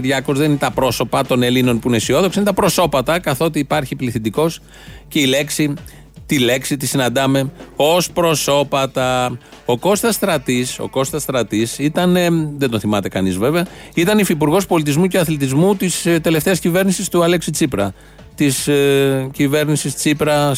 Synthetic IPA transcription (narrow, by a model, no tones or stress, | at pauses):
ðʝɐko̞zðeninet̪ɐpɾo̞so̞pɐt̪o̞ne̞lino̞npuinesio̞ðokɐinet̪ɐpɾo̞so̞pɐt̪ɐkɐθo̞ot̪iːpɐɾçipliθind̪iko̞s | ce̞ile̞ksi | t̪ile̞ksit̪isinɐnd̪ɐme̞o̞spɾo̞so̞pɐt̪ɐ | o̞ko̞st̪ɐsːt̪ɾɐt̪iso̞̰ko̞st̪ɐst̪ɾɐt̪isit̪ɐnðend̪o̞nθimɐt̪e̞kɐnizve̞veɐit̪ɐnifipuɾɣo̞spolit̪̬izmuceɐθlit̪̬izmut̪ist̪e̞le̞ft̪e̞ɐscive̞ɾnisist̪uɐleksit͡sipɾɐ | t̪iscive̞ɾnisist͡sipɾɐ